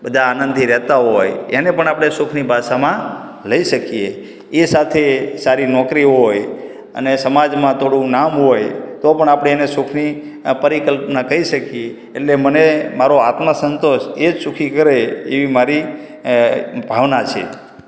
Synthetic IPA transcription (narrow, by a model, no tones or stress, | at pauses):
bəd̪ʱaːnə̃nd̪ʱiɾɛɦt̪aɦojenepəɳapɽ̃esukʰnibʱaʃamã | ləiʃəkije | esat̪ʰesaɾinɔkɾiɦoj | ə̰nesəmad͡ʒmãt̪ʰoɽũnamɦojt̪opəɳapɽeenesukʰni | pəɾikəlpnakəiʃəkijeː | ʈlemənemaɾoat̪məsənt̪oʃed͡ʒsukʰikəɾeeʋimaɾi | bʱaʋnat͡ʃʰḛ